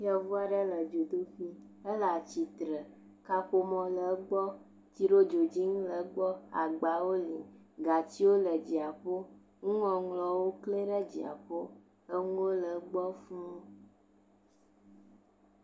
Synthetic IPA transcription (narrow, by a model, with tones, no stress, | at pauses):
jɛ˦vu˦a˨ɖə˦lə˨d͡ʒo˨d̪o˦ɸi˦ | ə˦la˨t͡ɕi˨t̪ɾə˨ | ka˦ɸo˦mɔ̃˨lə˨˦ɡ͡bɔ˦ | t̪i˦ɖo˦d͡ʒo˨d͡ʑi˦ŋũ˦lə˨˦ɡ͡bɔ˦a̰˨ɡ͡ba˨wo˦li˨ɡa˨t͡ɕi˦wo˦lə˨d͡ʑi˨a˨ɸo˦ | ŋũ˦ŋɔ̃˨ŋlɔ˨wo˦kle˦ɖə˦d͡ʑi˨a̰˨ɸo˦ | ə˦ŋũ˦wo˦lə˨˦ɡ͡bɔ˦fu˦